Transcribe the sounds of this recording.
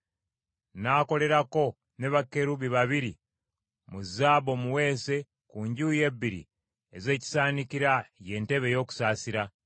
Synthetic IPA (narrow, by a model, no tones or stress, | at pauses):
naːko̞le̞ɾako̞ | ne̞βakːe̞ɾuβiβaβiɾi | muzːaːβo̞muwe̞ːse̞ | kuɲɟuːje̞bːiɾḭ | eze̞ːci̥saːnikiɾaje̞ːnte̞βe̞jo̞ːku̥saːsiɾa